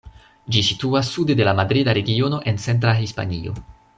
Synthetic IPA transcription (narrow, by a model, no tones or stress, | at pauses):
d͡ʒisituasːudede̞lamadɾidaɾe̞ɡio̞no̞ʔe̞nt͡se̞nt̬ɾaɦispa̰nio̞̰